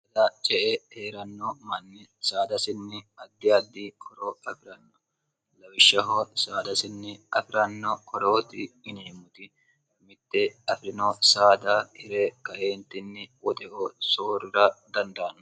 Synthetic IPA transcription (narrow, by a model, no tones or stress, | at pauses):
ɐd̪ɐt͡ʃʼɛʔɛheːɾɐnːɔmɐnːɛsaːd̪ɐsɪnːɛɐd̪ːɪɐd̪ːikɔɾoɐfɪɾɐnːɔ | lɐwɪʃːɐɦɔsaːd̪ɐsɪnːɪɐfɪɾɐnːɔkɔɾoːt̪ɪːneːmʊt̪ɪ | mɪt̪ːɛɐfɪɾɪnɔsaːd̪ahɪɾɛkɐʔeːnt̪ːɪnːɛwɔt̪ʼɛʔosoːɾɪɾɐd̪ɐnd̪aːnːɔ